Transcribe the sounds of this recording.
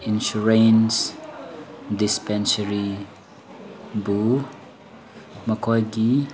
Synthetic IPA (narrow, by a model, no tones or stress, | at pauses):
inʃuɹejns | dispɛnsəɾi | bu | mɐkɔjɡi